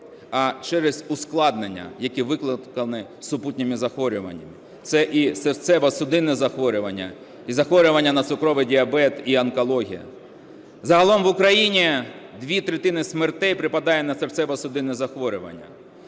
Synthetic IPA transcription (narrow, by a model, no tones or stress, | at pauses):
ɐt͡ʃɛɾɛzʊsklˠɑd̪nenʲːɐ̰jɐkiʋɪklˠɪkɐnɪsʊputʲnʲɪmɪzɐxʋɔɾʲʊʋɐ̰nʲːɐ̰mɪ | t̪sɛʔiseɾt̪sɛʋɐsʊd̪ɪnɪzɐxʋɔɾʲʊʋɐnʲːɐ̰ | izɐxʋɔɾʲʊʋɐnʲːɐnɐt̪sʊkɾɔʋɪdʲiɐbɛt̪iɐnkɔlˠɔɦʲḭjɐ̰ | zɐɦɐlˠɔmʋʊkɾɐjinʲid̪ʋʲit̪ɾet̪ɪnɪsmert̪ɛjpɾɪpɐd̪ɑjɛnɐseɾt̪sɛʋɐsʊd̪ɪnɪzɐxʋɔɾʲʊʋɐ̰nʲːɐ̰